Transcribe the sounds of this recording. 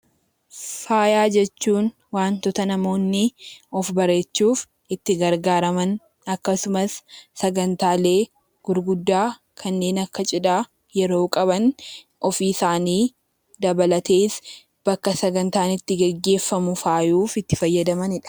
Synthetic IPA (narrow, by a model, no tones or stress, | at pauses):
faːjaːd͡ʒɛt͡ʃːuːn | waːnt̪ɔt̪ɐnɐmo̞ːnːɪɔfbɐɾe̞ːt͡ʃːuːf | ɪt̪ːɪɡɐɾɡaːɾɐmɐn | ɐkːɐsʊmɐsːɐɡɐnt̪aːle̞ː | ɡ̥ʊɾɡʊd̪ːaː | kʰɐnːe̞ːnɐkːɐt͡ʃʼɪᶑaː | jɛɾo̞ːkʼɐβɐn | ʔɔfiːsaːniː | d̪ɐbɐlɐt̪e̞ːs | b̥ɐkːɐsɐɡɐnt̪aːnɪt̪ːɪɡɛɡːe̞ːfːɐmʊfaːjuːfɪt̪ːɪfɐjːɐd̪ɐmɐnɪᶑɐ̥